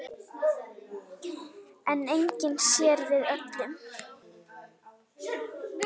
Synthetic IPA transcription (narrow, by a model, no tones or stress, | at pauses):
ɛnejɲcɪnsjɛɾvɪðœt̪lʏm